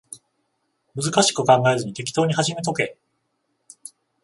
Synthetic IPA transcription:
mɯzɨkaɕi̥kɯ̟kãŋɡae̞zɨɲ̟it̪e̞kʲi̥t̪o̞ːɲ̟ihaʑime̞t̪o̞ke̞

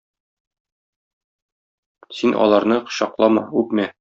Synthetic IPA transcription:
sinʔɒ̰lˠɑɾnɤq̆ɕɒqlˠɑmɑ̰ʉpmæ

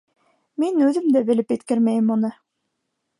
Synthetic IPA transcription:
minʉðɘmd̪æbɘ̆lɘpɘt̪kɘɾmæjmunɤ

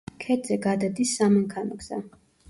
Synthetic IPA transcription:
kʰɛd̪zɛɡad̪ad̪isːamɛŋkʰanɔɡza̰

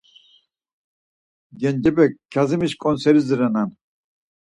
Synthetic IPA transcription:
ɡɛnd͡ʒɛbɛkʰːazimiʃkʼɔnsɛɾizɨɾanan

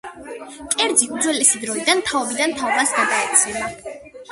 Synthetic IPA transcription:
kʼɛɾd̪ziud̪zwɛlɛsid̪ɾɔid̪ant̪ʰaɔbid̪ant̪ʰaɔbasɡad̪aɛt̪sʰɛna

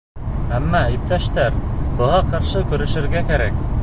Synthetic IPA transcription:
æmːææjip̚t̪æʃt̪æɾbɤ̆ʁɑqɑɾʃɤkɵ̆ɾɘ̆ʃɘ̆ɾɡækæɾæk

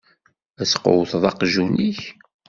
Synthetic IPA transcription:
æsqo̰wθðˤɑqʒuniç

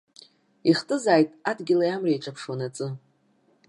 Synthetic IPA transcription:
iχtʼɨzaːjtʼadɡʲɪlajamrajʈ͡ʂʼapʰʂwanat͡sʼɨ

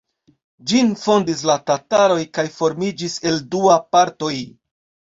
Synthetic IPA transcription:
d͡ʒinfo̞ndis̬latataɾo̞jkajfo̞ɾmid͡ʒise̞lduapaɾto̞j

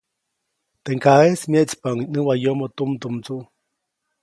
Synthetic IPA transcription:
t̪eŋkaesmjeʔt͡spaŋinɨwajomot̪umt̪umt͡suʔ

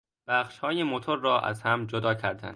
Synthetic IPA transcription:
b̥æχʃhɒːjemot̪ʰoɾːɒːʔæ̰zhæmd͡ʒod̪ɒːcʰæɾd̪æ̰nd̪̥

